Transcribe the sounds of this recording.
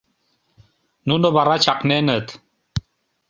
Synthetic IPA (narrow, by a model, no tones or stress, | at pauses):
nunoβarat͡ʃʰaqnenət̪